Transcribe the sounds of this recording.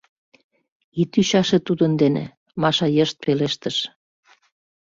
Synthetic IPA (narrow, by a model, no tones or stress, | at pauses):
it̪yɕɑʃĕt̪ud̪ənd̪enḛ | mɑʃɑjəʃt̪̚peleʃt̪əʃ